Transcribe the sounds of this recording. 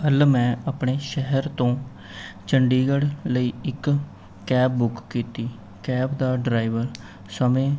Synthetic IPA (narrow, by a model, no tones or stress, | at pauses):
əlmɛ̃ːəpɳeːʃɛɦəɾt̪õː | t͡ʃəɳɖiːɡəɽləiːɪkː | ɛːp̚bʊkkiːt̪iː | kɛːbd̪aːɖɾaːiʋəɾ | səmẽː